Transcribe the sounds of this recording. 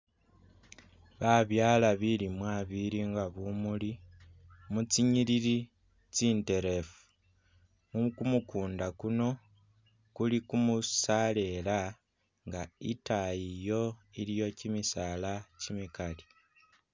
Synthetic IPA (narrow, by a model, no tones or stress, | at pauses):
βaβjaːlaβilimwaβiliŋɡaβumuli | mut͡siɲiliɾi | t͡siːnte̞ɾe̞fu̥ | mukumukuːndakuno̞ | kulikumusale̞la | ŋɡaitajijo̞ilijo̞cimisaːlacimikali